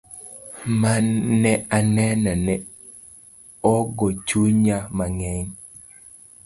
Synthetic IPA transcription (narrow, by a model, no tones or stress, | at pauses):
manːɛanɛnanɛ | ɔɡɔt͡ʃuɲamaŋɛɲ